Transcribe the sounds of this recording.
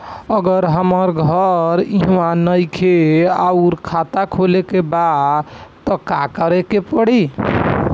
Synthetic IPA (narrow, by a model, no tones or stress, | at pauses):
əɡəɾɦəməɾɡʱəɾiɦwanəjkʰeauɾkʰat̪akʰolekebad̪t̪ɔkakəɾekepəɽi